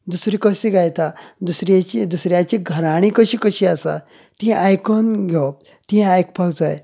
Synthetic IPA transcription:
d̪usɾiːkəsiːɡajt̪ad̪usɾjat͡ɕid̪usɾjat͡ɕiɡʱəɾaɽ̃ikəɕiːkəɕiːasa̰ | t̪iɦɛ̃ʔajkonɡʱɔ | t̪iɦɛ̃ajkpawd͡zaj

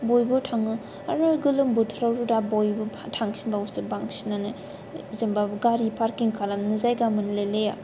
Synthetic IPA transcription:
bojbɯtʰaŋɯ | a̰ɾnaɾɡɯlɯmbutʰɾawɾudabojbutʰaŋsinbawsɯbaŋsinanɯ | zɯmbaɡaɾipʰaɾkiŋkʰalamnɯzajɡamɯnleleja

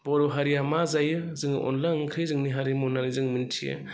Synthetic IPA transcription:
bɔɾɔɦaɾijamazajɯzɯŋɯʔɔ̰nlaŋkʰɯjzɯŋniɦaɾimɔnanizɯŋmintʰijɯ̰

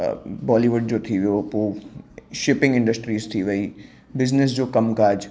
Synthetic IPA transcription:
bɔːliʋʊɖ̚d͡ʒoːt̪ʰiʋooːʃɪpɪ̃ŋɡɪ̃ɳɖəsʈɾiːzt̪ʰiʋɐiː | bɪznɪs̬d͡ʒoːkɐmkaːd͡ʒ

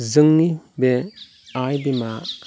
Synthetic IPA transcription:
zɯŋnibe | ajdimaʔ

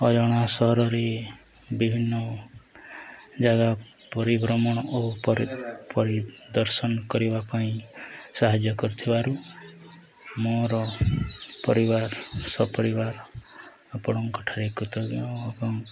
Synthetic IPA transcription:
ɔd͡ʒɔɽ̃asɔɦɔɾɔɾe | bibʱinːɔ | d͡ʒaɡa | pɔɾibɾɔmɔɽ̃ɔopɾpɔɾid̪ɔɾsɔnɔkɔɾibapaĩsaɦad͡ʒjɔkɔɾut̪ʰibaɾu | moɾɔ | pɔɾibaɾsɔpɔɾibaɾ | pɔɽɔŋkɔʈʰaɾekut̪ɔɡĩbɔŋ

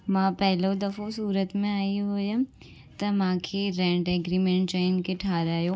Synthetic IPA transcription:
mãːpɛɦlod̪ɐfosuːɾət̪mẽaːiɦoja | t̪ɐmãːkʰeɾɛ̃ːɳʈɛɡɾiːmẽɳʈ̚t͡ʃaɪnkeʈʰaːɾaːjoː

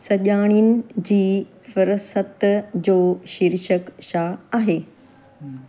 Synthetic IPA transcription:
sɐʄaːɽ̃inɪ̆d͡ʑiː | fəɾsət̪d͡ʑoːʃiɾʃəkʃaaːɦeː

